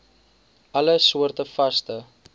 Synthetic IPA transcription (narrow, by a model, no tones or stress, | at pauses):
ɐləsuərtəfɐstə